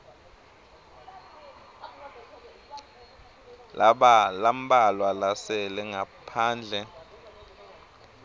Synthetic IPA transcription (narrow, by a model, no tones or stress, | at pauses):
lʔaɓalam̩bʼalwalasɛlɛŋɡʱapʰaːnd͡ɮʱɛ